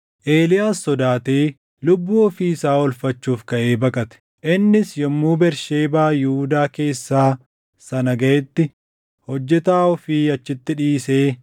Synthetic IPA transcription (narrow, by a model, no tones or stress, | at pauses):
ʔe̞ːlɪjaːsːɔd̪aːt̪eː | lʊbːuːɔfiːɪsaːɔlfɐt͡ʃːuːfkɐʔeːbɐkʼɐt̪ɛ̥ | ʔɪnːɪsjɔmːuːbɛɾʃeːbaːjɪhuːd̪aːke̞ːsːaː | sɐnɐɡɐʔɛt̪ːɪ | hɔd͡ʒːɛt̪aːɔfɪɐt͡ʃːɪt̪ːɪᶑiːse̞ː